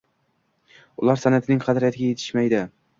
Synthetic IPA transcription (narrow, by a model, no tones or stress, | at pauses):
ʊlˠaɾsanat̪ʰɪnɪŋqʰɑd̪ɾjat̪ʰɪɡʲajet̪ʰɪ̥ʃmajd̪ɪ